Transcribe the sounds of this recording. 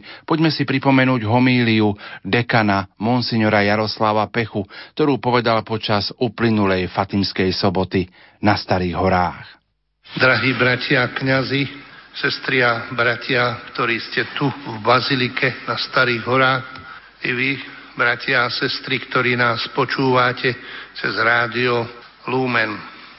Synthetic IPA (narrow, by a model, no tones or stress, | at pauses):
pɔɟmɛsipɾipɔmɛnuːɟɦɔmiːliud̪ɛkanamunsiɲɔɾajaɾɔslaʋapɛxukt̪ɔɾuːpɔʋɛd̪alpɔt͡ʃazuplinulɛjfat̪imskɛjsɔbɔt̪i | nast̪aɾiːɣɦɔɾaːx | d̪ɾaɦiːbɾacʰɪakɲazisɛst̪ɾiabɾacʰɪakt̪ɔɾiːscɛt̪uvbazilikʰɛnast̪aɾiːɣɦɔɾaːx | iʋi | bɾacɪaːsɛst̪ɾikt̪ɔɾiːnaːspɔt͡ʃuːʋacʰɛt͡sɛzɾaːd̪iɔ | luːmɛn